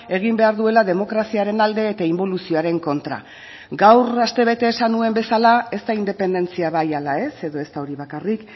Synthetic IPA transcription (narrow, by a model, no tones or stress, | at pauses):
e̞ɣ̞imbe̞aɾðue̞laðe̞mo̞kɾasiaɾe̞nald̪e̞ːt̪aimbo̞lusioaɾe̞ŋko̞nt̪ɾa̰ | ɡawrast̪e̞β̞e̞t̪e̞ːsanue̞mbe̞salae̞st̪aind̪e̞pe̞nd̪e̞nt͡siaβajalae̞se̞ðo̞e̞st̪ao̞ɾiβakarik